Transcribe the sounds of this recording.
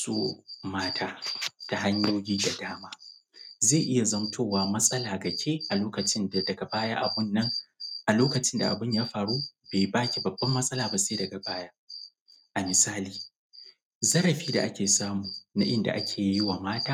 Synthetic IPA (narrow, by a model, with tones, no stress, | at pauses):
so̰ː˦maː˦tʰaː˦ta˨ɦa˦ɲjoː˦ɡʲiː˦da˨daː˦maː˦zeː˦˨ʔɪ˦ja˨zɐ˦mtʰoː˦˨waː˦mɐ˦sʼɐ˦laː˨ɡɐ˨kʲʰeː˦ʔa˨loː˦kɐ˨t͡ʃɪ˦nda˨dɐ˨ɡa˨baː˦jaː˦ʔa˨bʊ˦nːɐ˦ŋʔa˨loː˦kɐ˨t͡ʃɪ˦nda̰˨ʔa̰˨bɪ˦ɲjaː˦ɸaː˨ɽuː˦beː˨baː˦kʲi˨bɐ˨bːɐ˦mːɐ˦sʼɐ˦laː˨ba˨seː˦dɐ˨ɡa˨baː˦jaː˦ | ʔa˨mɪ˨saː˦liː˨ | zɐ˦ɾɐ˨ɸiː˦da̰˨ʔa˦kʲeː˨saː˦muː˨na̰˦ʔɪ˦nda̰˨ʔa˦kʲʰeː˨jɪ˦waː˨maː˦taː˦